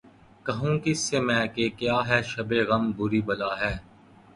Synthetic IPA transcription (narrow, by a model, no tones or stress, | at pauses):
kɐɦũːkɪsːemɛ̃ːkekjaːɦɛːʃɐbeɣɐmbʊɾibɐlaːɦɛː